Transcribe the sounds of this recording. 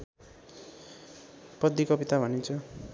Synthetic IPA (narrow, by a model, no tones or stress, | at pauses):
pʌd̪ikʌpit̪abʱʌnint͡sʰʌ